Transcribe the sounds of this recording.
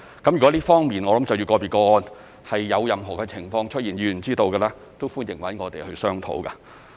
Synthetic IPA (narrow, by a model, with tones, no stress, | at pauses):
kɐ˨˥mjyː˨˩kɔ˨˥liː˥fɔː˥ŋmiː˨˩nŋɔː˨˧lɐ˨˥mt͡sɐ˨wji˧wkɔː˧piː˨˩kɔː˧ɔː˧n | hɐ˨jːɐ˨˧wjɐ˨mɦɔː˨˩kɛ˧t͡sʰɪ˨˩ŋfɔː˧ŋt͡ʃʰɵ˥t̚jiː˨˩njyː˨˧˨t͡siː˥t̪o˧wkɐː˧laː˥ | t̪o˥wfuː˥njɪ˨˩ŋwɐ˨˥nŋɔː˨˧t̪e˨jhɵ˧ɥsœː˥ŋt̪ʰo̰˨˥wkaː˧